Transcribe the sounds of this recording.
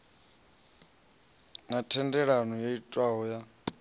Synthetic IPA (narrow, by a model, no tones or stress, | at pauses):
natʰɛndɛɺanɔjaitʼwaɦɔja